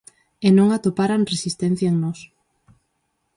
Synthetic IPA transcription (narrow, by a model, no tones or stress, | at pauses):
enõŋat̪opaɾanresist̪ɛ̃n̟θjaeŋnɔs